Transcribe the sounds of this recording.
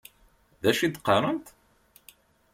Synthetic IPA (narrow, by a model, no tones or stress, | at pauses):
ðæʃid̪qːɑɾˤənt̪